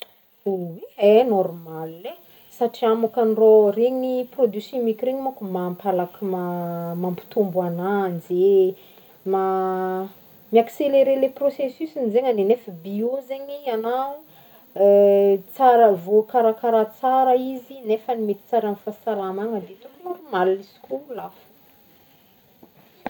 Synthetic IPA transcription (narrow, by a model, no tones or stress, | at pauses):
uweenɔrmalːe | saʈ͡ʂiamakaniroreɲiprod̪yksɔ̃mikʲɾeɲimokumampʰalakimamampi̥t̪umbuananze | ma | miakseleɾeleprosesysinzeɲanenefəbiozeɲianau | t͡saɾəvokaɾakaɾat͡saɾəizinefənimet̪i̥t͡saɾanfasalamaŋəd̪et̪unuɾumalisi̥kʲulafu̥